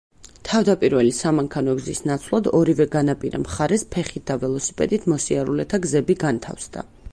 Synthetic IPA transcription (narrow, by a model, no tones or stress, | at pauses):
t̪ʰavd̪apʼiɾvɛlisamaŋkʰanɔɡzisnat̪sʰlˠad̪ɔɾivɛɡanapʼiɾa̰mχaɾɛspʰɛχit̪̚d̪̥avɛlˠɔsi̥pʼɛ̰d̪it̪ʰmɔsiaɾulɛt̪ʰaɡzɛbiɡant̪ʰa̰fsd̪a̰